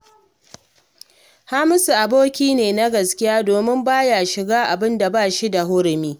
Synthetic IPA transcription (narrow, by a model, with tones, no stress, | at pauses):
haː˦mɪ˦sʔa˨boː˦kʲiː˦neː˨na˦ɡɐ˨skʲɪ˦jaː˦doː˨mɪ˦mbaː˦ja˨ʃɪ˨ɡaː˦ʔa˨bɪ˦nda˨baː˦˨ʃi˦da˨ɦʊ˦ɾɪ˨miː˦